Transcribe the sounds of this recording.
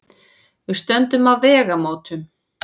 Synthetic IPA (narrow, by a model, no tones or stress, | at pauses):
vɪst̪ɛnt̪ʏmavvɛːɣamoːt̪ʏm